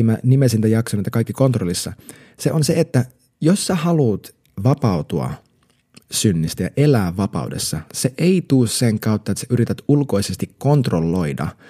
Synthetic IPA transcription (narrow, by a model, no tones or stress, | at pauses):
mænimesint̪æjɑksonet̪ːɑkɑjkːiko̞nt̪rolːisːɑ | seʔonseet̪ːæ | josːehɑluːt̪ | ʋɑpɑut̪uɑ̰ | synːist̪æjɑ̰ʔelæːʋʋɑpɑ̰ude̞̰sːɑseʔeit̪uːsseŋkɑut̪ːɑet̪seyɾit̪æt̪ulko̞isest̪ikko̞nt̪rolːo̞idɑ̰